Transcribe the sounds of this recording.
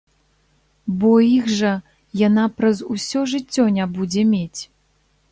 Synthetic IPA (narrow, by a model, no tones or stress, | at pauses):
bɔiɣʐɐ | janapɾɐzusʲɔʐɨt͡sʲːɔnʲabud͡zʲɛmʲet͡sʲ